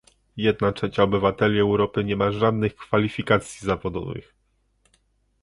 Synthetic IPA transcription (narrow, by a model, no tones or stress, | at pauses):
jɛd̪̚natʂɛt͡ɕaɔbɘvat̪ɛlʲiɛwɾɔpɘɲɛmaʐad̪nɘxkfalʲifʲikat̪sʲjizavɔd̪ɔ̰vɘ̰x